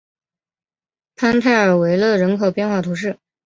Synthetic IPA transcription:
pʰa˥nt̪ʰa˥˩ɪə˞˨˩we˧˥ɪlɤ˥˩ɻə˧˥nkʰo˨˩ʊpjɛ˥˧nxwa˥˩t̪ʰu˧˥ŋʂɻ̩˥˩

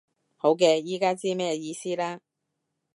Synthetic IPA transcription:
ho˨˥wk̬ɛː˧jiː˥kaː˥t͡siː˥mɛː˥jɛ˧jiː˧siː˥laː˥

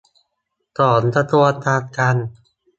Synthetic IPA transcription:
t̪ɔː˨˩˦nt̪ʰa˧t̪u˧a˧t̪aː˧t̪̚ka˧n

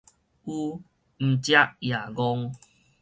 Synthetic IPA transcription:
u˦ | m̩˨t͡ɕja˦ʔja˨˩ɡɔ˧ŋ

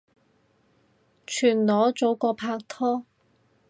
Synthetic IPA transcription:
t͡ʃʰyː˨˩nlɔː˨˧˥t͡so˨˥wkɔː˧pʰaː˧k̚t̪ʰɔː˥

